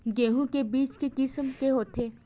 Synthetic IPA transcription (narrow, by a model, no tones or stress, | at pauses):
ɡeːɦũkebiːt͡ʃkekɪsəmkeɦoːt̪ʰeː